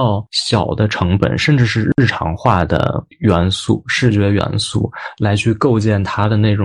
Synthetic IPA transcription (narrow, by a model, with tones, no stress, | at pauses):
ɑ˥˧˩ʊɕjɑ˨˩ʊd̪ə˦ʈ͡ʂʰɤ˧˥ŋpə̰˨˩nʂə˥˧nʈ͡ʂɻ̩˥˧ʂɻ̩˥˧ɻ̩˥˩ʈ͡ʂʰɑ̰˧˥ŋxwa˥˩d̪ə̰˩ | ɥɛ˧˥nsṵ˥˩ʂɻ̩˥˩t͡ɕɥɛ˧˥ɥɛ̰˧˥nsṵ˥˩la˧˥ɪt͡ɕʰy˥˧ko˥˧ʊt͡ɕjɛ˥˩nt̪ʰa˥d̪ə˨ne˥˩ɪʊ˨